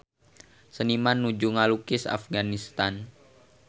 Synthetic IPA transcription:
sənimanːud͡ʒuŋalukɪsa̰fɡanist̪an

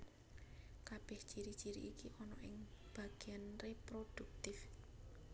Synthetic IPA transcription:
kab̥ɛ̤hd̥ʒ̥iɾi̥d͡ʒ̥iɾḭʔːkiʔɔnɔʔɪŋb̥a̤ɡ̥eanrepɾod̪̥ṳk̚t̪ɪf

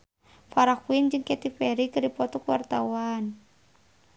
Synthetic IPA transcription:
faɾakuind͡ʒɨŋkɛt̪ipɛɾikɨrdipɔt̪ɔkəwart̪awan

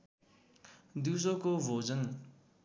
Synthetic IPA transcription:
d̪is̬okobʱod͡zʌn

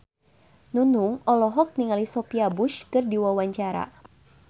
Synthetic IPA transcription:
nunuŋɔlɔɦɔk̚niŋalisɔpiabuʃkɨrdiwawaɲt͡ʃaɾa̰

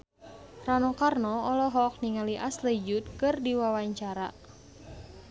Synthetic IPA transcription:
ranɔkarnɔːlɔɦɔk̚niŋaliʔasləid͡ʒut̪̚kɨrdiwawaɲt͡ʃaɾa̰

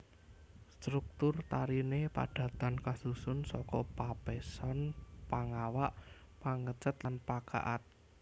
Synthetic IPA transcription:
st̪ɾuk̚t̪ʊrt̪aɾinepa̰ɖ̥ä̤t̪ankasusʊnsɔkɔpapesɔnpaŋawaʔ | paŋət͡ʃət̪lanpaka̰ʔat̪̚

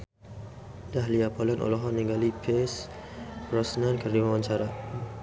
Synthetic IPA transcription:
daɦliapɔlənʔɔ̰lɔɦɔnĩŋɡalipʰespɾɔsnãnkərdimawãɲt͡ʃaɾa

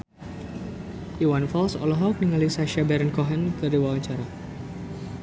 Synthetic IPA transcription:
ʔiwanfɔlsɔ̰lɔɦɔk̚niŋalisaʃabaɾənkɔɦɛnkɨrdiwawaɲt͡ʃaɾa

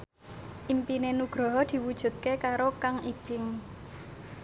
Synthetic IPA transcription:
ʔimpinenuɡ̥ɾɔ̤ɦɔd̪̥i̤wud̥ʒ̥ṳt̪̚kekaɾokaŋib̥ɪŋ

